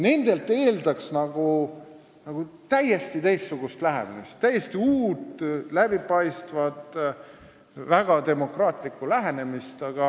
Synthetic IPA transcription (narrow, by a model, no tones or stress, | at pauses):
ne̞nd̪̥e̞lt̪ˑːe̞ːld̪ɑksnɑɡ̥u | nɑɡ̥ut̪æjːe̞st̪it̪e̞jst̪suɡ̥ust̪læɦḛmḭmist̪ːæjːest̪iuːt̪læb̥ipɑjst̪vɑt̪ˑ | væɡ̥ɑt̪e̞mo̞krɑːt̪ˑlikːˑulæɦene̞mist̪ɑɡ̥ɑ